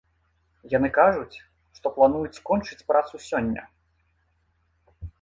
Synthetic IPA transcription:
janɨkaʐut͡sʲ | ʂt̪ɔplˠanujut͡sʲskɔnt͡ʂɨt͡sʲpɾat̪susʲɔnʲːɐ̰

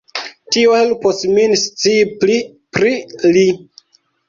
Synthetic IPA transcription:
tiohelposminst͡sii | pɾili

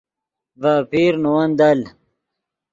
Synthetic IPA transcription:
vaːpiːɾnuwɐnd̪ɐl

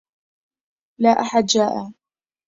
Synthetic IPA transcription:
laːʔaħad̪d͡ʒaːʔa

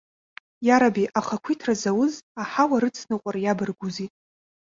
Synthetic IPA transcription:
jaɾabiʔaχakʷʰitʰrazawʊzaħawaɾɨt͡sʰnɨqʷʼarjabɨrɡʷuzi

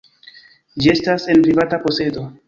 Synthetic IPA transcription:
d͡ʒie̞stase̞npɾivatapo̞se̞do̞

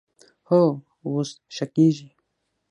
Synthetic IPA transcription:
ho | wusʃakiːʒi

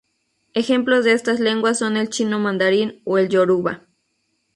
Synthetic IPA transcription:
exemplozðeest̪asleŋɡwasːonelt͡ʃinomãnd̪aɾinoelʝoɾuβa̰

